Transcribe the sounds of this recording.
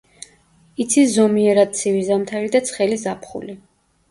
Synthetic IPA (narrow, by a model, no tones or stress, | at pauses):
it̪sʰiszɔmiɛɾad̪̚t̪sʰivizamt̪ʰaɾid̪at̪sʰχɛlizapʰχṵli